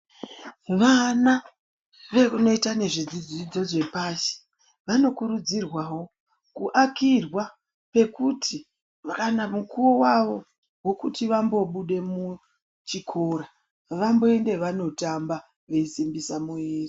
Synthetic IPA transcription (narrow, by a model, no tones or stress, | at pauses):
ʋana | ʋeuno̞itane̞ʐid͡zid͡zid͡zo̞ʐe̞paʃi̥ | ʋano̞kuɾud͡zirwawo̞ | kuʔakirwa | pe̞kutʰi | akanamukuowaʋo̞ | wo̞kutiʋambo̞ɓuɗe̞mu | t͡ʃikʰo̞ːɾa | ʋambo̞e̞nde̞ʋano̞tamba | ʋe̞isimbisamuiːri